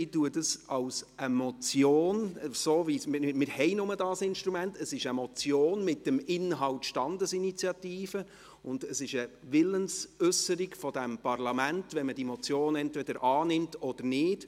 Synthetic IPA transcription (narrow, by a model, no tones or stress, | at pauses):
ɪtuədəsɑwsəmɔt͡sjoːnsoːvismɪmɪɾhɛɪnʊmədɑːsɪnʃtɾumæntəsɪʃəmɔt͡sjoːnmɪtːəmɪnɦɑltʃtɑndəsinit͡sjɑtiːfə | ʊndəsɪʃəʋɪlənsʏsəɾiɡfɔd̥æmpɑrlɑmæntvʋɛnməd̥imɔt͡sjoːnɛntvɛd̥əɾʔɑːnɪmtɔd̥əɾnɪːd̥